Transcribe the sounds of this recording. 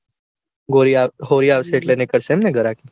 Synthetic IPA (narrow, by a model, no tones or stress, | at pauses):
ɡoɾaɦoːɾijaʋseʈlenekəɾsemneɡəɾakiː